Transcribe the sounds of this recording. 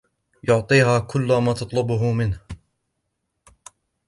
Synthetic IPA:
jʊʕt̪ˤiːɦaːkʰʊlːʊmaːt̪ɑt̪ˤlʊbʊɦʊmɪnh

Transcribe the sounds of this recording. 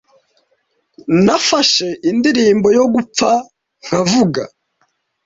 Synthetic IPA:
nafaʃe̞ʔindiɾiːmbo̞jo̞ɡup͡fa | ŋ̥avuɡa

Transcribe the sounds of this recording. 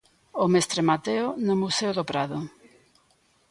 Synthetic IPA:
omest̪ɾemat̪eonʊmuseʊðopɾaðʊ

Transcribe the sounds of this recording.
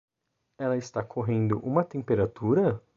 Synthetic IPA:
ɛlɐɪst̪akʰoɦẽnd̪ʊʔũmɐt̪ẽmpeɾat̪uɾɐ

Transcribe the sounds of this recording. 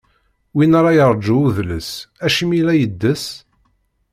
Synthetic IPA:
winaɾˤɑjəɾˤd͡ʒuuðləsæʃimilæjəd̪ːəs

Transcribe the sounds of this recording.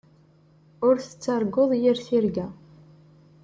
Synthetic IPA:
ʊɾθə̥t͡sːaɾˤɡoðˤjiɾθiɾɡæ

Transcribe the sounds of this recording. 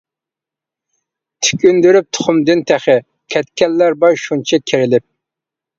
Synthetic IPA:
t̪ʰy̥kʲynd̪yɾyp̚t̪ʰʊ̥χʊmd̪ɨnt̪ʰæχɪ | kʲʰɛt̪kʲɛlːæɾbɑjʃunt͡ʃʰɛkʲʰeɾɪlɪp̚

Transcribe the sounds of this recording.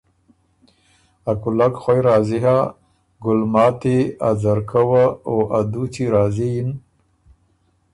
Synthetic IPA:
akʊlakxwajɾɑːziɦa | ɡʊlmɑːt̪eazaɾkʰawaoʔad̪ut͡siɾɑːziin

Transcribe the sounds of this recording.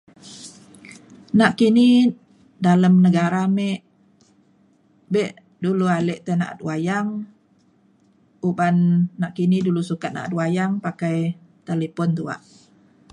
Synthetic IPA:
naʔkini | daləmnəɡaɾamɛʔ | bɛʔ | dulualɛʔt̪ena̰ʔa̰t̪̚wajaŋ | ubanːaʔkinidulusukat̪̚na̰ʔat̪̚wajaŋpakaj | t̪alepɔnt̪ua̰ʔ

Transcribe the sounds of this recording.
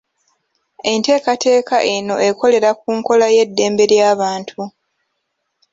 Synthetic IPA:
e̞nte̞ːkatʰe̞ːkaʔeno̞e̞ko̞le̞ɾak̚uːŋko̞laje̞dːe̞ːmbe̞ɾjaːβaːntʰu

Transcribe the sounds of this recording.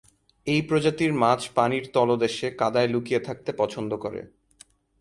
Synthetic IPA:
ejpɾod͡ʑat̪iɾmat͡ɕʰpaniɾt̪ɔlod̪eʃekad̪aelukijet̪ʰak̚t̪epɔt͡ɕʰond̪okoɾḛ

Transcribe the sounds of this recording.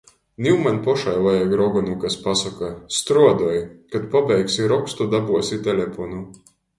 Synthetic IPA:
nʲiwmanpɔʃajlˠajaɡɾɔɡɔnukaspasakast̪ɾuɔd̪ɔjkat̪pabʲɛjksiɾɔkst̪ud̪abuɔsit̪ʲɛlʲɛpɔnu

